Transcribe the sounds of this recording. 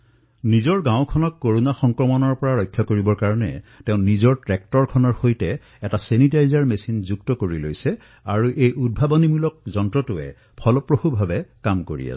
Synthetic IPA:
nizɔɹɡãʊ̃kʰɔnɔkːoɹunaxɔŋkɹɔmɔnɔɹpɔɹaɹɔjkʰːjɔkoɹibɔɹkaɹɔnɛ̰tɛʊ̃nnizɔɹtɹɛk̚tɔɹkʰɔnɔɹxojtɛː | tasenitajzaɹmesinzuk̚tɔkoɹilo̰jsɛ | aɹuʔejʔud̚bʱabɔnimulɔk̚zɔntɹɔtʊɛ̰ | pʰɔlɔpɹoxubʱabɛkamkoɹḭa̰s

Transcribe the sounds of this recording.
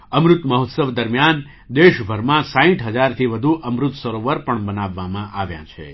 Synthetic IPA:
əmɾut̪məɦot̪səʋd̪əɾmjan | d̪eʃbʱəɾmãsãĩʈɦəd͡ʒaɾt̪ʰiʋəd̪ʱuʔəmɾʊt̪səɾoʋəɾpəɳbənaʋːamãʔaʋjã̰t͡ʃʰḛ

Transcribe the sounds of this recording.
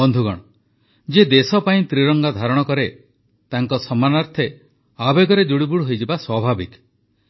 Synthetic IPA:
bɔnd̪ʱuɡɔ̰ɽ̃ɔ | d͡ʒed̪esɔpaĩt̪ɾiɾɔŋɡad̪ʱaɾɔɽ̃ɔkɔɾe | t̪aŋkɔsɔmanaɾt̪ʰe | abeɡɔɾed̪uɽibuɽɦojd͡ʒebaswabʱabik

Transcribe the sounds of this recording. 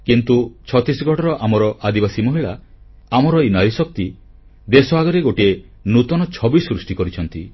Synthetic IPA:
kint̪ut͡ʃʰɔt̪isɡʱɔʈɔɾɔʔamɔɾɔʔad̪ibasimɔɦiɭa | amɔɾɔinaɾisɔk̚t̪i | d̪esɔaɡɔɾeɡoʈie | nut̪ɔnɔt͡ʃʰɔbisɾusʈikɔɾit͡ʃʰɔnt̪i

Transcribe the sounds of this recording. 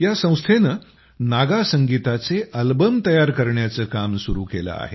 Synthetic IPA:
jasə̃w̃st̪ʰenə | naɡasəŋɡit̪at͡seʔəlbəmt̪əjaɾkəɾɳjat͡səːkamsuɾṵkelə̰a̰ɦe

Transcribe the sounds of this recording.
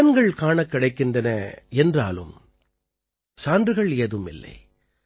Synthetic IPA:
ɐnɡɐɭkaːɳɐkːɪɽɐɪkːɪndrɐnɐ̰ɛndra̰ːlɯ̰m | saːndrɯɣɐɭeːðɯmɪ̰lːɐ̰ɪ

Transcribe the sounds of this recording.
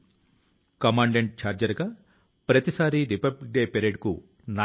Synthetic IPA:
kɐmaːɳɖeɳʈ̚t͡ʃaːɾd͡ʒɐɾɡaː | pɾɐt̪isaːɾiɾipɐblik̚ɖeːpeɾeːɖku | na

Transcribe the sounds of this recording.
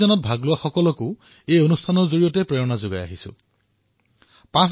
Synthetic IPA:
ɔnɔt̚bʱaɡlʊwaxɔkɔlɔkʊ | ejonustʰanɔɹzoɹijɔtɛpɹɛɹɔnazʊɡaja̰ɦisʊ̰̃ | pãs

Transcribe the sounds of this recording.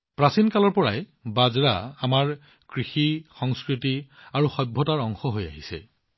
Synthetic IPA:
pɹasinkalɔɹpɔɹa̰jbazɹa̰amaɹ | kɹixixɔŋskɹitiaɹuxɔbʱːɔtaɹɔŋxɔɦoja̰ɦisɛ̰

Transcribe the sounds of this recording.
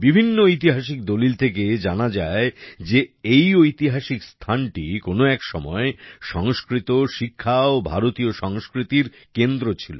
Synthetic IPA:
bibʱinːoojt̪̬iɦaʃik̚d̪olilt̪ʰeked͡ʑanad͡ʑaed͡ʑeejojt̪iɦaʃikst̪ʰanʈikonoɛkʃɔmɔeʃɔŋskɾit̪oʃikʰːaobʱaɾot̪ioʃɔŋskɾit̪iɾ | kend̪ɾot͡ɕʰilo

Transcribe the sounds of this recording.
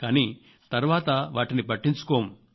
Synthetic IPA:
kaːniː | t̪ɐɾʋaːt̪ɐʋaːʈinipɐʈːiɲt͡ʃu̥koːm

